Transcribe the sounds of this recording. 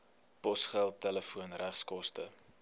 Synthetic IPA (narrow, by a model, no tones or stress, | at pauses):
pɔsχælˠtɛləfuənræχskɔstə